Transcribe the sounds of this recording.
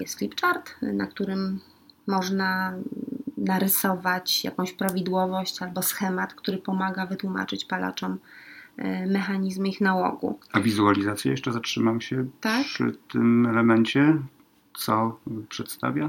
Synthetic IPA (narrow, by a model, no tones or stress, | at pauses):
jɛ̰st̪flʲipt͡ʂaɾt̪na̰k̚t̪uɾɘmː | ɔʐna | naɾɘsɔvat͡ɕja̰kɔ̃w̃ɕpɾavʲid̪wɔvɔɕt͡ɕalbɔsxɛmat̪kt̪uɾɘpɔmaɡavɘt̪wuma̰t͡ʂɘt͡ɕpalʔa̰t͡ʂɔm | mɛxaɲizmixnawɔ̰ɡṵavʲizualʲizat̪sʲja̰jɛʂt͡ʂɛzatʂɘmamɕɛt̪akʂɘ̰t̪ɘ̰mɛlɛmɛɲt͡ɕɛ | t̪sɔpʂɛt̪st̪a̰vʲja